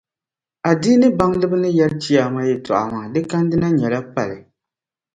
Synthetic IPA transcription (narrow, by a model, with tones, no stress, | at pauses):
a˨di˦nɨ˦ba˦ŋlɨ˦bɨ˦nɨ˦jɛ˦lt͡ʃi˦aː˨ma˦jɛ˨tɔ̰˨ʔa̰˨ma˨dɨ˦ka˦n˦dɨ˦na˦ɲɛ˨la˦pa˨lɨ˨